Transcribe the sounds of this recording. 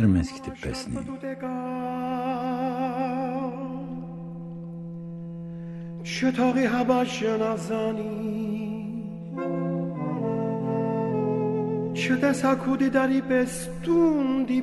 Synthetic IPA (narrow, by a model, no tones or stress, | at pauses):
ɾmɛ̰skʰd̪ipɛ̰sniut̪ɛkɑ | t͡ʃʰət̪ʰɔʁiɦɑbɑʒənɑzɑni | t͡ʃʰət̪ɛsɑkʰud̪id̪ɑɾipɛs | t̪und̪i